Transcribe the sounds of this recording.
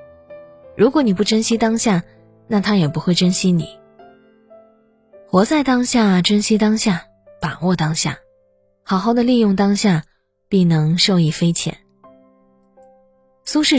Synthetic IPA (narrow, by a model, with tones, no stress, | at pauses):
ɻu˧˥kwɔ˧˥ni˨˩p̬u˥˩ʈ͡ʂə˥nɕi˥t̪ɑ˥ŋɕja˥˩ | na˥˩t̪ʰa˥jɛ˨˩pu˧˥xwe˥˩ɪʈ͡ʂə˥nɕi˥nḭ˨˩˦ | xwɔ˧˥t͡sa˥˩ɪt̪ɑ˥ŋɕja˥˩ʈ͡ʂə˥nɕi˥t̪ɑ˥ŋɕja˥˩ | pa˨˩wɔ˥˩t̪ɑ˥ŋɕja̰˥˩ | xɑ˨˩ʊxɑ˥˩ʊd̪ə˩li˥˧jʊ˥˩ŋt̪ɑ˥ŋɕja˥˧ | pi˥˩nɤ˧˥ŋʂo˥˧ʊi˥˩fe˥ɪt͡ɕʰjɛ̰˨˩˥n | su˥ʂɻ̩˥˩